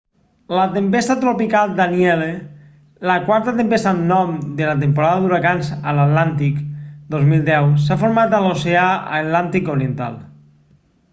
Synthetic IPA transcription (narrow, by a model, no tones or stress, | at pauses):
lət̪empest̪ət̪ɾopikalˠd̪aniɛle | ləkwaɾt̪ət̪empest̪anːɔmd̪elət̪̬empoɾaðəðuɾakanzəlat̪lant̪ikd̪ozmilˠd̪ɛws̬afoɾmat̪əloseaə̰t̪lant̪ikoɾient̪a̰lˠ